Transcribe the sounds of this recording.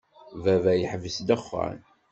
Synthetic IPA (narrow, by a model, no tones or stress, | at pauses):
vævæjəħvəsd̪əχːa̰n